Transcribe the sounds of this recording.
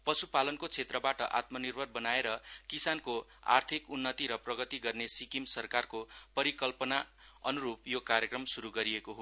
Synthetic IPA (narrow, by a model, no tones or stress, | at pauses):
pʌsupalʌnkot͡sʰet̪rʌbaʈʌʔa̰t̪mʌnirbʱʌrbʌnaeɾʌkisankoa̰rt̪ʰikunːʌt̪iɾʌprʌɡʌt̪iɡʌrnesikimsʌrkarkopʌɾikʌlpʌna | ʌnuɾupjokaɾjʌkrʌmsuɾuɡʌɾiekoɦo